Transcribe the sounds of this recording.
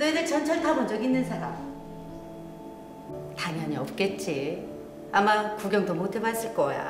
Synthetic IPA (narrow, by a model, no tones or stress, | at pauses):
nɯnɯt͡ɕʰʌnt͡ɕʰʌɭtʰabond͡ʑʌɡinːɯnsʰaɾa̰ | taɲɦʌɲiʌp̚k͈e̞t̚t͡ɕ͈i | amakuɡjʌŋdomotʰebas͈ɯɭk͈ʌja̰